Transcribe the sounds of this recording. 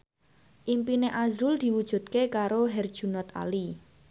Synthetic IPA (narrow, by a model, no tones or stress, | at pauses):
ʔimpineʔazɾʊld̪̥i̤wud̥ʒ̥ṳd̪̚kekaɾoɦɛrd̥ʒ̥ṳnɔt̪a̰li